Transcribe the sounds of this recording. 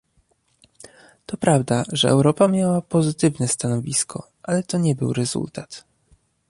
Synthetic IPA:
t̪ɔpɾavd̪aʐɛʔɛ̰wɾɔpamʲjawapɔzɘt̪ɘvnɛst̪anɔvʲiskʰɔ̰ | ʔalɛt̪ɔɲɛbɘ̰wɾɛzṵlt̪at̪

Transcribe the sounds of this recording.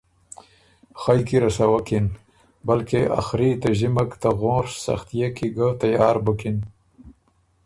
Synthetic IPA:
xajkiɾasawakin | balkeʔa̰xɾit̪aʒimakt̪aɣõːɾsa̰xt̪ijakiɡat̪ajɑːɾbəkin

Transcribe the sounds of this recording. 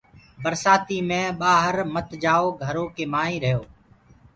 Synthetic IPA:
bəɾsaːt̪iːmẽːɓaːɦəɾmət̪d͡ʒaːoːɡʱəɾoːkeːmaːĩːɾəɦjoː

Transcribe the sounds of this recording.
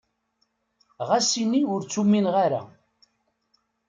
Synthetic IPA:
ʁasiniʊɾt͡sːuminʁaɾa̰

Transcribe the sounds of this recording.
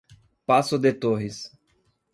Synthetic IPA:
pasʊd̪et̪oɦɪs

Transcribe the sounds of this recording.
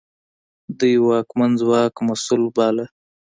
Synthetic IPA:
d̪əjwɑːkmanzwɑːkmasulbɑla

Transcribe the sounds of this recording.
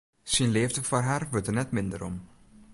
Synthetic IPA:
sinleːvdəfarɦaːrʋøtənɛtmɪndə̰ɾɔ̰m

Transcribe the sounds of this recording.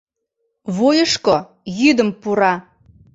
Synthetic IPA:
βojəʃko | jyd̪əmpuɾɑ

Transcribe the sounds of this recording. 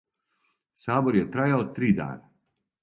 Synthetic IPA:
saːboɾjɛt̪ɾaːjaot̪ɾiːd̪a̰ːna

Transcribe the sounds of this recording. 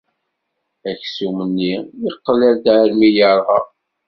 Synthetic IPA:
æçsumənːiiqːəlæld̪ɾmijəɾˤʁɑ̰

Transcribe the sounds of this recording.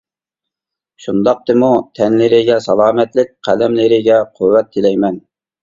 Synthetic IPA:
ʃund̪ɑq̚t̪ɨmut̪ʰɛnlɪɾɪɡʲɛsɑlˠɑːmɛt̪lɪk̚ʲqʰælɛmlɪɾɪɡʲɛqʰʊwːɛt̪ʰːɪlɛjmɛn

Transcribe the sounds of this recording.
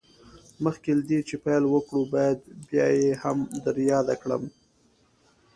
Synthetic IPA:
məxkelad̪et͡ʃepajlwəkɽubɑjad̪bjɑ̰jehamd̪aɾjɑd̪akɽə̰m

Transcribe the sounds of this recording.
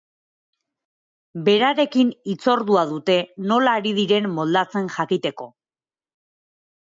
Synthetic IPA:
be̞ɾaɾe̞kinit͡so̞ɾðuað̞ut̪e̞no̞laːɾið̞iɾe̞nːo̞ld̪at͡se̞nʝakit̪e̞ko̞

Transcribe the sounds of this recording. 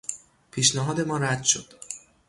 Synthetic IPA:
pʰiːʃnæɦɒːd̪e̞mɒːɾæd̪ʃod̪̥

